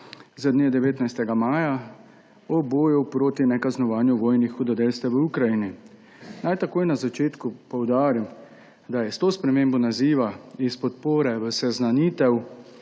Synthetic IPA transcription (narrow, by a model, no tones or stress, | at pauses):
zad̪neːd̪ɛʋeːt̪najst̪ɛɡamaːja | ɔboːjupɾoːt̪inɛkaznɔʋaːnjuʋɔːjnixud̪ɔd̪elst̪ɛʋəukɾajini | najt̪akoːjnazat͡ʃeːt̪kupɔwd̪aːɾim | d̪ajɛst̪oːspɾɛmeːmbɔnaziːʋaispɔt̪poːɾɛʋəsɛznaniːt̪ɛw